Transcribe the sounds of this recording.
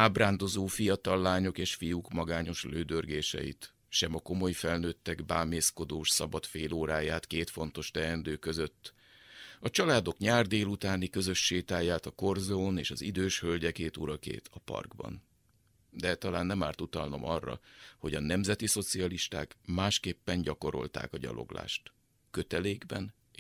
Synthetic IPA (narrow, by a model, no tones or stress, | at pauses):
aːbraːnd̪o̞zoːfijɒt̪ɒlːaːɲo̞keːʃfijukmɒɡaːɲo̞ʃløːd̪ørɡeːʃɛ̰jḭt̪ | ʃɛmɒko̞mo̞jfɛlnøːt̪ːɛɡbaːmeːsko̞d̪oːʃsɒbɒt̪feːloːɾaːjaːt̪keːt̪fo̞nt̪o̞ʃt̪ɛɛnd̪øːkø̞zø̞t̪ː | ɒt͡ʃɒlaːd̪o̞kɲaːrd̪eːlut̪aːnikø̞zø̞ʃːeːt̪aːjaːt̪ɒko̞rzoneːʃɒzid̪øːʃhølɟɛkeːt̪uɾɒkḛːt̪ʰɒpɒ̰rɡbɒ̰n | d̪ɛt̪ɒlaːnːɛmaːrt̪ut̪ɒlno̞̰mɒrːɒ̰ho̞ɟɒnɛmzɛt̪iso̞t̪siɒliʃt̪a̰ːkmaːʃkeːpːɛɲɟɒko̞ɾo̞̰lt̪a̰ːkɒɟɒ̰lʔo̞̰ɡla̰ːʃt̪ | kø̞t̪ɛleːɡbɛn